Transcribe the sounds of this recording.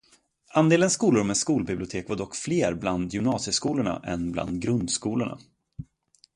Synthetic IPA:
ʔand̪eːlənskuːlʊɾɔmɛnskuːlbɪblɪʊt̪ʰeːkvad̪ɔkːfleːɾbland̪jʏmnɑːsjəskuːlʊɳa̰ʔɛnbla̰nd̪ɡɾɵnd̪skuːlʊɳa̰

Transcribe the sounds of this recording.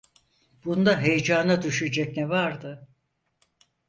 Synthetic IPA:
b̥und̪aɦejed͡ʒaːnad̪yʃyd͡ʒɛcnɛvaɾd̪ɯ

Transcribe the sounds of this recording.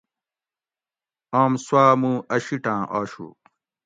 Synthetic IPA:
aːmswaːmũːɐɕiʈãːʔaːɕṵ

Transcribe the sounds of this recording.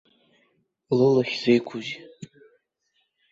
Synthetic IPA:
lɨlaχʲz̥ejkʷʰʊzi

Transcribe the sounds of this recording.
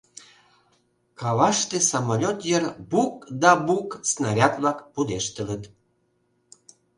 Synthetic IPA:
kɑβɑʃt̪esɑmolʲot̪jərbuk̚d̪ɑbuksnɑɾʲɑt̪βlɑkpud̪eʃt̪ələt̪

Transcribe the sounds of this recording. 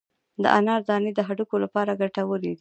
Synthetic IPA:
d̪ə̰ʔanɑɾd̪ɑned̪əɦaɖukolapɑɾaɡaʈawəled̪i

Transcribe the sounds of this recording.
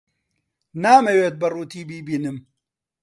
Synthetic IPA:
naːmɐweːt̪̚bɐruːt̪iːbiːbiːnɨm

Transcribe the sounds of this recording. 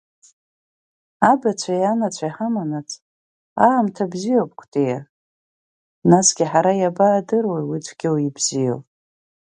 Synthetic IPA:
abat͡sʷʰajanat͡ɕʷʰaiħamanat͡sʰʼ | aːmtʰabzijop̚ʼkʷʰtʼeja | nasɡ̥ʲiħaɾajabaːdɨrwejwit͡sʷʰɡʲɪwibzijo̰pʼ

